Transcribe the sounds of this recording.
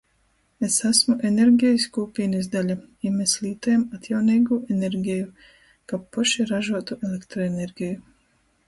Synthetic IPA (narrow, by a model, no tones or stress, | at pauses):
esasmuʔeneɾɡʲiskuːpinizd̪alʲaimeslʲiːt̪ojemat̪ʰjawnejɡuʔeneɾɡʲiju | kapːɔʃiɾaʒuɔt̪uʔelekt̪ɾoeneɾɡʲiju